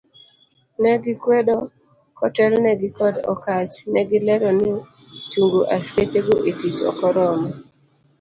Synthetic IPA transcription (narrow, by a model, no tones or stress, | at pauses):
nɛɡɪkwedɔ | kɔtɛlnɛɡɪkɔdɔ̰kat͡ʃnɛɡɪlɛɾɔnɪ | t͡ʃuŋɡoʔasket͡ʃeɡoʔetit͡ʃɔ̰kɔɾɔmɔ